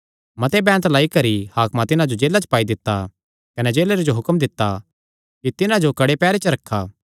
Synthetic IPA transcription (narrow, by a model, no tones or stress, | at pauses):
mɐt̪ebɛ̃ːnət̪laːikɐɾihaːkmãt̪ɪnãd͡ʒod͡ʒeːlːat͡ʃə̥paːid̪ɪt̪ːa | kɐnɛd͡ʒeːleɾed͡ʒoɦʊkmd̪ɪt̪ːa | kit̪ɪnãd͡ʒokɐɽepɛːɾet͡ʃəɾɐkʰːaː